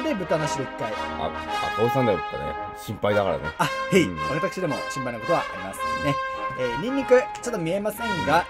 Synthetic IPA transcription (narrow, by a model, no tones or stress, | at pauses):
d̪ebɯ̟t̪anaɕiɾoit̪ːaia̰a̰t̪õːsãnd̪ḁt̪ːa̰nḛɕĩmpaid̪aka̰ɾa̰nḛaheiβat̪akɯ̟̥ɕid̪e̞mo̞̰ɕĩmpainako̞t̪o̞a̰ʔa̰ɾʲimasɨ̃nd̪ene̞eːɲʲĩɲʲːikɯ̟t͡ɕot̪ːo̞mʲie̞masẽ̞ŋɡa